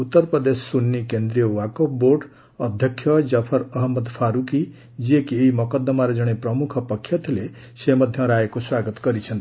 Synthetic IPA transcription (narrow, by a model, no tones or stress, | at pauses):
ut̪ːʌɾpɾʌd̪esːunːikend̪ɾijʌwakopborɖ | ʌd̪ʱjʌkʰjʌd͡zʌpʰʌɾʌɦʌmːʌd̪pʰaɾuki | d͡ziekieimʌkʌd̪ːʌmaɾed͡zʌɽ̃eprʌmukʰpʌkʰːjʌt̪ʰile | semʌd̪ʱjʌ̃ɾaekoswaɡʌt̪ɡʌɾit͡sʰʌnt̪i